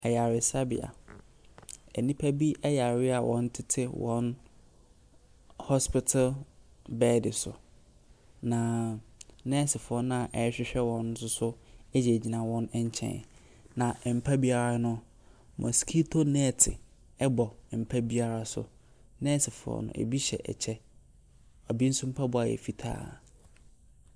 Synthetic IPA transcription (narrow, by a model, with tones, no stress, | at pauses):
ɛ˨ja˨ɾɪ˨sa˦bɪ̰˨a̰˨ | ɛ̰˨nĩ˦pʰæ˦bi˦ʔɛ˦ja˨ɾɪ˦a˨wʔɔ̰̃˨n˦tʰɪ˦tʰɪ˦wɔ̰̃˦n | hɔ˦spɪ˦tʰa˦lbɛ˦dɪ˨sʊ̰˨ | nã˨ | nɛ̃˦sɪ˨fʊ˨ɔ˦nʊ̃˦a˨ʔɛ˨˦ɕᶣɪ˦ɕᶣɛ˦wɔ̃˨n˦sʊ˦sʊ˦ɛ˦d͡ʑɛ˨d͡ʑi˨nã˨wɔ̃˦nɛ˦ɲ˦t͡ɕʰɛ̰̃˨ | nã˨m̩˨pʰa˦bi˦a˨ɾa˦nʊ̃˦ | mʔɔ̰˨skʰi˦tʰo˦nɛ̃˦˨tʰɪ̰˨ | ɛ˦bɔ˨m̩˨pʰa˦bi˦a˦ɾa˦sʊ̰˦ | nɛ̃˦tɪ˨fʊ˨ɔ̰˨nʊ̰̃˦ʔḛ˨bi˦ɕɛ̰˨ʔɛ̰˨t͡ɕʰɛ˦ | ɔ˨bi˦n̩˦sʊ̃˦m̩˦pʰa˦bʊ˦a˨jɛ̰˨fi˦tʰa̰ː˦˨